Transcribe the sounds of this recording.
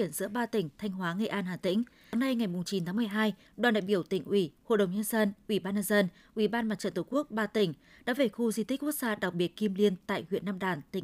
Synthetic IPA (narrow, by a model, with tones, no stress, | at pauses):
i˧˩ənzɨ̰˧˥əɓaː˧t̪ï˧˩ŋ̟t̪ʰa˧jŋ̟ɦwaː˨˦ŋə˧˩ʔaː˧nhaː˨˩t̪ḭ̈˧˥ŋ̟˨˧ | na˧jŋa˨˩jmʊ˨˩ŋ͡mt͡ɕi˨˦nt̪ʰaː˨˦m˨˩əjɦaː˧j | ɗwaː˨˩nɗa̰ː˧˨jɓi˧˩əwt̪ḭ˧˩ŋ̟ʔwi˧˩ho̰˧˨ɗə˨˩wɲə˧nzə˧nʔwi˧˩ɓaː˧nɲə˧nzə˧n | ʔwi˧˩ɓaː˧nma˨˩t̚t͡ɕə̰˧˨nt̪ə˧˩ku˦˥ək̚ɓaː˧t̪ï˧˩ŋ̟ | ɗa̰ː˧˥ve˨˩xu˧zi˧t̪i̟˦˥ku˦˥ək̚zaː˧ɗa˨˩w̚k͡p̚ɓi˨˩ət̚ki˧mli˧ənt̪a̰ː˧˨jhwḭ˧˨ənːaː˧mɗaː˨˩nt̪ï˧˩˨